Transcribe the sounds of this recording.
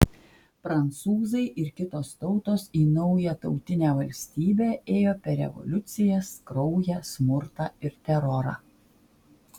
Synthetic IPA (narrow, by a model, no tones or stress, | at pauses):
pɾɐnt̪suːzɐɪʔɪɾkʲɪt̪oːst̪ɒʊt̪oːsiːnɔʊjɛt̪ɒʊt̪ʲɪnʲæːʋɐlʲsʲt̪ʲiːbʲeːeːjoːpʲɛɾɾʲɛ̰ʋɔ̰lʲʊt̪sʲɪjɛskɾɒʊjɛsmʊɾt̪ɑːɪɾt̪ʲɛɾɔɾɑ̰